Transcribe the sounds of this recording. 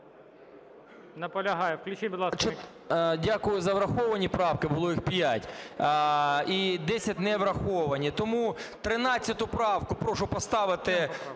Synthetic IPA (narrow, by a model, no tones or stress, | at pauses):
nɐpɔlʲɐɦɑjɛwklʲʊt͡ʃɪbid̪lˠɑst͡ʃ | dʲakʊjʊzɐʋɾɐxɔʋɐnʲipɾɑwkɪbʊlˠɔjixpjatʲ | id̪ɛsʲɐtʲnɛʋɾɐxɔʋɐnʲit̪ɔmut̪ɾɪnɑt͡sʲsʲɐt̪ʊpɾɑwkʊpɾɔʃʊpɔst̪ɑʋɪt̪ɪ